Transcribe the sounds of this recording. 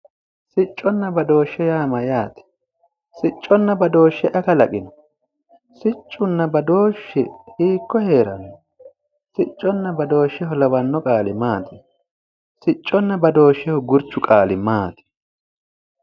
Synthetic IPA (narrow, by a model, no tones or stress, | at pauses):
sɪt͡ʃʼːɔnːɐbɐd̪o̞ːʃːɛjaːmɐjaːt̪ɪ̥ | sɪt͡ʃʼːɔnːɐbɐd̪o̞ːʃːɛʔɐkɐlɐkʼɪnɔ | sɪt͡ʃʼːʊnːɐbɐd̪o̞ːʃːɛhiːkːɔhe̞ːɾɐ̰nːɔ | sɪt͡ʃʼːɔnːɐbɐd̪o̞ːʃːɛhɔlɐwɐnːɔkʼaːlɪmaːt̪ɪ̥ | sɪt͡ʃʼːɔnːɐbɐd̪o̞ːʃːɛhɔɡʊɾt͡ʃːʊkʼaːlɪmaːt̪ɪ̥